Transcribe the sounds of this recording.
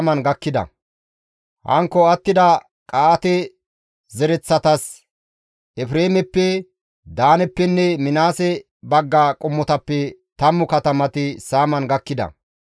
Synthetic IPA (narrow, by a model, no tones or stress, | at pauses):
mɐnɡɐkːɪd̪ɐ̰ | hɐ̰ŋkːɔɐt̪ːɪd̪ɐ | kʼaːt̪ɛ | zɛɾɛt͡sːɐt̪ɐs | ʔɛfɾeːmɛpːɛ | d̪aːnɛpːɛnːɛmɪnaːsɛ | bɐɡːakʼʊmːɔt̪ɐpːɛt̪ɐmːʊkɐt̪ɐmɐt̪ɪsaːmɐnɡɐkːɪd̪ɐ̰